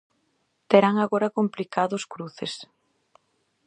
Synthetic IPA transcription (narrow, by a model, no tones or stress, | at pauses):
t̪eɾaŋaɣoɾɐkomplikaðʊskɾuθes